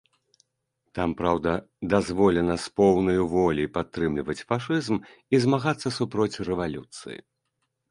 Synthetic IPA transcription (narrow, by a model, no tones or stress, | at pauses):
t̪ampɾawd̪ɐ | d̪azvɔlʲɛnɐspɔwnɐjuvɔlʲipat̪ːɾɨmlʲivɐt͡sʲfaʂɨzmizmaɣat̪sːɐsupɾɔt͡sʲrɛvalʲut̪sɨ̰jḭ